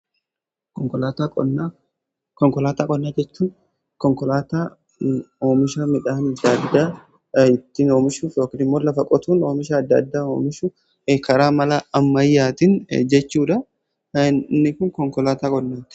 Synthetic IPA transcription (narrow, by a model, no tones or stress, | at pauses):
kɔŋkɔlaːt̪aɔnːa | kɔŋkɔlaːt̪aːkʼɔnːaːd͡ʒɛt͡ʃːuːn | kɔŋkɔlat̪a | oːmɪʃaːmɪᶑaːnɐd̪ːɐd̪ːaː | ɪt̪ːɪno̞ːmɪʃuːfjo̞ːkɪnɪmːo̞ːlɐfɐkʼɔt̪uːno̞ːmɪʃaːɐd̪ːɐ̰d̪ːaːo̰ːmɪʃu | ekɐɾaːmɐlaɐmːɐjːaːt̪ɪn̰d͡ʒɛt͡ʃːuːᶑɐ | nːɪkʊŋkɔŋkɔlaːt̪aːkʼɔnːaːt̪ɪ̥